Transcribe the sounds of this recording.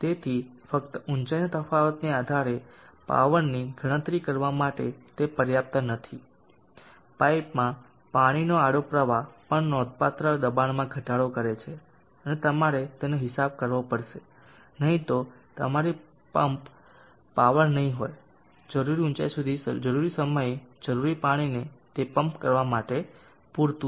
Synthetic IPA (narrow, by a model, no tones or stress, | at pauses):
t̪et̪ʰifəkt̪əʔʊɲt͡ʃajnət̪əfaʋət̪niad̪ʱaɾe | pa̰ʋəɳniɡʱəɽ̃ə̃t̪ɾikəɾʋamaʈet̪epəɾjap̚t̪anət̪ʰi | paipmã | paɽ̃inoaɽopɾəʋapəɳnɔd̪ʱpat̪ɾəd̪əbanmãɡʱəʈaɽokəɾet͡ʃʰe | ənet̪əmaɾet̪enoɦɪsab̚kəɾʋopəɾʃe | nəɦĩt̪o | t̪ə̰maɾi | pəmpː | aʋəɾnəɦĩɦoj | d͡ʒəɾuɾiut͡ʃa̰jsud̪ʱisd͡ʒəɾuɾisəməjed͡ʒəɾuɾipaɽ̃inet̪epəmpkəɾʋamaʈe | puɾt̪u